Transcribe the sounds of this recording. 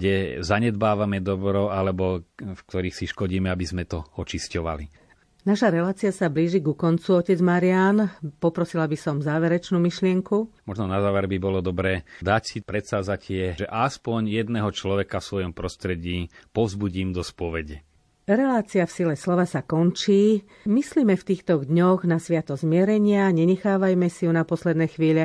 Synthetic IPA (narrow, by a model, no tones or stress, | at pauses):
ɡɟɛzaɲɛd̪baːʋamɛd̪ɔbɾɔalɛbɔfk̚t̪ɔɾiːxsiʃkɔɟiːmɛabizmɛt̪ɔɔt͡ʃiscɔʋa̰li | naʃaɾɛlaːt͡siasabliːʒiɡukɔnt͡suɔcɛd͡zmaɾiaːnpɔpɾɔsilabisɔmzaːʋɛɾɛt͡ʃnuːmiʃlɪɛŋkumɔʒnɔnazaːʋɛɾbibɔlɔd̪ɔbɾɛːd̪acsipɾɛt̪saːzacɪɛʒɛʔaspɔɲjɛd̪nɛɦɔt͡ʃlɔʋɛkafsʋɔjɔmpɾɔst̪ɾɛɟiːpɔvzbuɟiːmd̪ɔspɔʋɛɟɛ | ɾɛlaːt͡siafsilɛslɔʋasakɔnt͡ʃiː | misliːmɛft̪iːxt̪ɔɣd̪ɲɔɣnasʋɪat̪ɔzmɪɛɾɛɲɪaɲɛɲɛxaːʋajmɛsijunapɔslɛd̪nɛːxʋiːʎɛ